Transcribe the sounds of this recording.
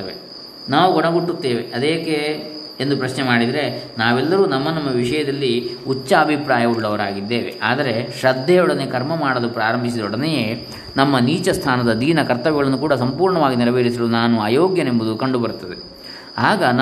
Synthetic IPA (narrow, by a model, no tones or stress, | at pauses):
ɐʋḛ | naːʋuɡɔɳɐɡuʈːut̪ːeːʋeʔɐd̪eːke | end̪upɾɐʃnemaːɽid̪ɐɾe̞naːʋɛlːɐɾuːnɐmːɐnɐmːɐʋiʂɐjɐd̪ɐlːiut͡ʃːaːbʱipɾaːjɐuɭːɐʋɐɾaːɡid̪ːeːʋḛʔaːd̪ɐɾe̞ʃɐd̪ʱːɛjɔɽɐnekɐɾmɐmaːɽɐlupɾaːɾɐmbʱis̬id̪ɔɽɐnejeː | nɐmːɐniːt͡ʃɐst̪ʰaːnɐd̪ɐd̪iːnɐkɐɾt̪ɐʋɛɡɐɭɐnːukuːɽɐs̬ɐmpuːɾɳɐʋaːɡiniɾɐʋeːɾisɐlunaːnuaːjoːɡjɐnembud̪ukɐɳɖubɐɾut̪ːɐd̪e | aːɡɐn